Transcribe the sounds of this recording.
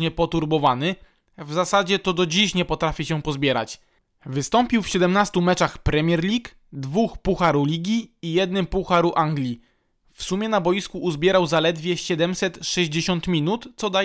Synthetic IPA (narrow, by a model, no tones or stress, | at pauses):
ɲɛpɔt̪uɾbɔvanɘ | vzasad͡ʑɛt̪ɔd̪ɔd͡ʑiɕɲɛpɔt̪ɾafʲiɕɛpɔzbʲjɛɾa̰t͡ɕ | vɘst̪ɔmpʲiwfɕɛd̪ɛmnast̪umɛt͡ʂaxpɾɛmʲjɛɾlʲik | d̪vuxpuxaɾulʲiɡʲiːjɛd̪nɘmpuxaɾuʔaŋɡlʲi | fsumʲjɛnabɔjiskuʔːzbʲjɛɾawzalɛd̪vʲjɛɕɛd̪ɛmsɛt̪ʂɛʑd͡ʑeɕɔnt̪mʲinut̪t̪sɔd̪a